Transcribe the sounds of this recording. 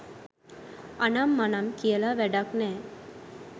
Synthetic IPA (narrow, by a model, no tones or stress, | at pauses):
anamːanamkijəlaʋæɖaknɛː